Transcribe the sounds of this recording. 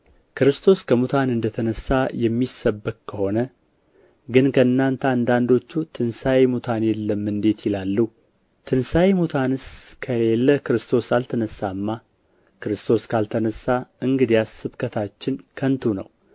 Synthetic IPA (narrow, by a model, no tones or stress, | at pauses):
kʰɨɾɨst̪ʰo̞skʰəmut̪ʰanɨnd̪ət̪ʰənəsːajɛmːisːəbɨk̚kʰːəho̞nə | ɡɨnkʰəɨnːant̪ʰəand̪and̪o̞t͡ʃːut̪ʰɨnsajemut̪ʰanjɛlːəmːɨnd̪e̞t̪jɪlalːu | t̪ʰɨnsajemut̪ʰanɨskʰəle̞lːəkɨɾɨst̪ʰo̞salt̪ʰənəsːamːa | kɨɾɨst̪ʰo̞skʰalt̪ʰənəsːaɨŋɡɨd̪iasɨβkʰət̪ʰat͡ʃːɪnkʰənt̪ʰunə̰w